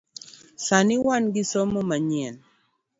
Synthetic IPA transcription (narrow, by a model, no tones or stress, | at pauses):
sanɪwanɡɪsomomaɲɛn